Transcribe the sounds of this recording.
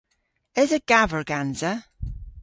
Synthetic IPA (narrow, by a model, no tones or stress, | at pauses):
ɪzəɡ̥avəɹɡanzə